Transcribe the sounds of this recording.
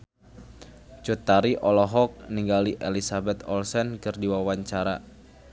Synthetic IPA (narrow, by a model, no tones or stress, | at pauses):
t͡ʃut̪aɾiʔɔlɔɦɔk̚niŋɡaliʔelisabɛt̪ɔlsɛnkɨrdiwawaɲt͡ʃaɾa